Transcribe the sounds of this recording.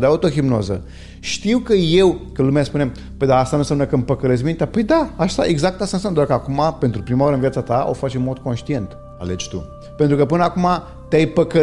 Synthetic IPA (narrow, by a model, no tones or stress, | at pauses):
d̪awt̪uɐɣimnɔ̰zɐ̰ | ʃt̪iwkɨewkɨlˠumɛspunẽm | pojd̪aast̪anɐsɐmɐnɐkɨmpɐkɐlezmĩnt̪apojd̪aaʃt̪aʔiɡzak̚t̪asẽsɐ̃w̃d̪ɔɾkakumapẽnt̪ɾupɾimɐɔɾɐ̃vjɛt̪sat̪aʔo̰faʃẽmɔd̪ukõʃt̪iẽnt̪ | a̰lɛd͡ʒʃt̪ṵ | pẽnt̪ɾukɐpɨnakuma | t̪ejpɐkɐ